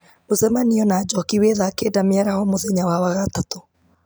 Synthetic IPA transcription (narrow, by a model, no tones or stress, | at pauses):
mozɛmaniɔnaːd͡ʒɔkiweðakeːdameaɾahɔmoðɛɲawawaɣatato